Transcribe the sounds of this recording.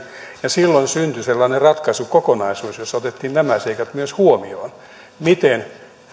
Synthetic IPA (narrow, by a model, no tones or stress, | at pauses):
jɑsilːonsynt̪yselːɑːnerɑt̪kɑsukokonɑisuːsjosːot̪et̪ːiːnnæmæseikɑt̪myøshuomioːn | mit̪en